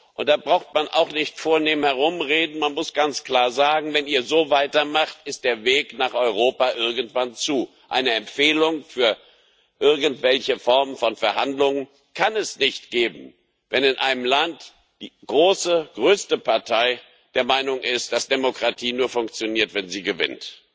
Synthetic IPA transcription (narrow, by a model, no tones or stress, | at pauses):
ʔʊnt̚d̥aːbʁaʊxtmanʔa̰ʊxnɪçtfoːɐneːmənhɛʁ̞ʊmʁeːdn̩manmʊsɡ̥ant͡skl̥aːɐzaːɡŋ̩vɛniːɐzoːvaɪtɐmaχtɪst̚d̥eːɐveːknaːχʔɔʏʁ̞oːpaʔɪɐɡŋ̩tv̥ant͡suː | ʔa̰ɪnəɛmfeːlʊŋfyːɐ | ʔɪɐɡn̩tv̥ɛlçəfɔɐmənfɔnfɛɐhandlʊŋən | kʰanɛsnɪçtɡ̥eːbm̩ | vɛnɪnʔa̰ɪnəmlant | d̥iːɡ̥ʁoːsəɡ̥ʁøːstəpʰaɐtʰaɪ | d̥eːɐmaɪnʊŋʔɪst̚d̥asd̥emokʁ̥atʰiːnuːɐfʊŋk̚t͡sjoniːɐtv̥ɛnziːɡəvɪ̰nt